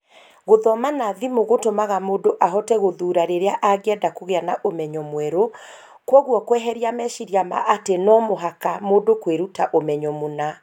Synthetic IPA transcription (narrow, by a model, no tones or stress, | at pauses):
ɣoðɔmanaðimoɣotomaɣamoːdoʔaɦɔtɛɣoðuːɾaɾeɾeaʔaɣeɛdakoɣeanaʔomɛɲɔmwɛɾo | kwɔɣwɔkwɛɦɛɾiamɛʃiɾjama̰ʔatenɔmoɦakamodokweɾutaʔomɛɲɔmona